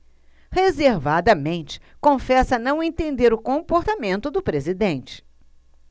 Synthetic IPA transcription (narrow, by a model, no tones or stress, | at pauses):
hezeɾvad̪ɐmẽnt͡ʃɪ̥kõfɛsɐnɐ̃w̃ẽt̪ẽnd̪eɾʊkõpoɾt̪amẽnt̪ʊd̪ʊpɾezid̪ẽnt͡ʃɪ̥